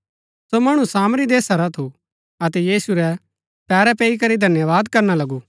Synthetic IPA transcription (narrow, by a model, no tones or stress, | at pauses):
somɐɽ̃ũsaːmɾid̪eːsaɾat̪ʰu | ɐt̪ɛjiːsuɾɛ | pɛːɾɛpeːikɐɾid̪ʱɐnjəʋaːd̪kɐɾnalɐɡu